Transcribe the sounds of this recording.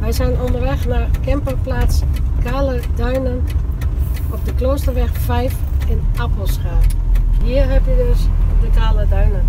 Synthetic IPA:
ʋɛjszɛjnondərʋɛxnakɛmpəplaːskaːlədœɥnən | ɔfdəkloːstərʋɛxfɛjfɪnapəl̩ˠsχaːnɦiːərɦɛpjədøsdəkaːlədœɥnən

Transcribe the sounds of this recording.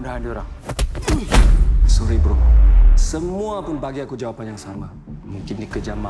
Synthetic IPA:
udaɦandioɾaŋ | suɾibəɾusəmuapʊnbaɡiakud͡ʒawapanjaŋsama | muŋkɪndikəd͡ʒama

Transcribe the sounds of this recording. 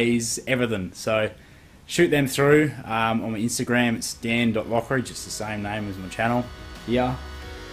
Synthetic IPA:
ɪzɛvə˞ðə̃nsoʊ | ʃʉˑt̪̚ðɨ̃mθɹʉʌ̃mə̃nmiɪ̃nstɨɡɹæ̃mɨtstæ̃ndɔʔ̚lɔkəɹid͡ʒʌs̚ðɨsẽɪ̃mnẽɪ̃mɨzmət͡ʃʰænl̩ˠjæ

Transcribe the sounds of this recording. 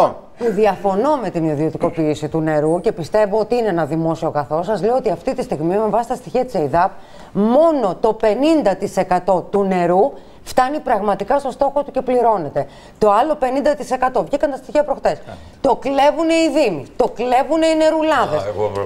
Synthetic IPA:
puðiɐfo̞no̞me̞t̪iniðio̞t̪iko̞piːsit̪une̞ɾuce̞pist̪e̞voot̪iineenɐðimo̞sio̞ɣɐθo̞sɐzleoot̪iɐft̪it̪ist̪iɣmime̞vɐsi̥st̪ɐst̪içiɐt̪iseiðɐp̚ | mo̞no̞t̪o̞pe̞nind̪ɐt̪ise̞kɐt̪o̞t̪une̞ɾu | ft̪ɐnipɾɐɣmɐt̪ikɐst̪o̞st̪o̞xot̪uce̞pliɾo̞ne̞t̪e̞ | t̪o̞ɐlo̞pe̞nind̪ɐt̪ise̞kɐt̪o̞vʝikɐnt̪ɐst̪içiɐpɾoxt̪es | t̪o̞kle̞vune̞iðimit̪o̞kle̞vuneine̞ɾulɐðes

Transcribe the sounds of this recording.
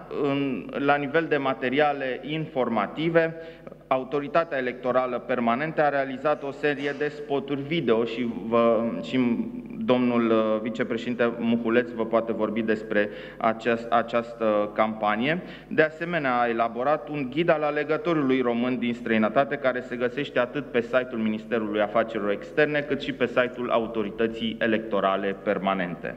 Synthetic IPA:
ɨnlanive̞ld̪e̞mat̪e̞ɾiale̞ʔinfo̞rmat̪ive̞ | aut̪o̞ɾit̪at̪eaele̞k̚t̪o̞ɾaləpe̞rmane̞nt̪əaɾe̞alizat̪o̞se̞ɾie̞d̪e̞spo̞t̪urʲvid̪e̞o̞ʃivəʃid̪o̞mnulvit͡ʃe̞pɾeʃeint̪emuxule̞t̪svəpoat̪e̞vo̞rbid̪e̞spɾe̞ | a̰t͡ʃesat͡ʃast̪əkampanije̞ | d̪e̞ase̞me̞neaae̞labo̞ɾat̪uŋɡʲid̪alale̞ɡət̪o̞ɾulujro̞mɨnd̪inst̪ɾəinət̪at̪e̞kaɾe̞se̞ɡəse̞ʃt̪e̞at̪ɨt̪̚pe̞sajt̪ulminist̪e̞ɾulujafat͡ʃe̞ɾilo̞ɾe̞kst̪e̞rne̞kɨt̪ʃipe̞sajt̪ulʔa̰ut̪o̞ɾit̪ət̪sije̞le̞k̚t̪o̞ɾale̞pe̞rmane̞nt̪ḛ

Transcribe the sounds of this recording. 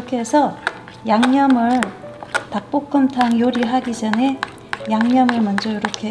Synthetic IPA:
kʰe̞sʰʌ | jaŋɲʌmɯɭtak̚p͈ok͈ʰɯmtʰaŋjoɾiɦaɡid͡ʑʌne̞ | jaŋɲʌmɯɭmʌnd͡ʑʌjoɾokʰe

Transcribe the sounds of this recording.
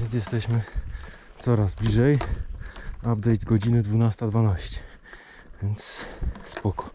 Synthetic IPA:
vʲjɛns̬jɛst̪ɛɕmɘ | t̪sɔɾazblʲiʐɛj | ab̚d̪ɛjt̪ɡɔd͡ʑinɘd̪vunast̪ad̪vanaɕt͡ɕɛ̥ | vʲjɛnt̪sspɔkɔ̥

